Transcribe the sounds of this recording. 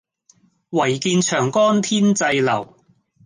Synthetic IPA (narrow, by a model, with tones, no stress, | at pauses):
wɐ˨˩jkiː˧nt͡ʃʰœː˨˩ŋkɔː˥nt̪ʰiː˥nt͡sɐ˧jlɐ̰˨˩w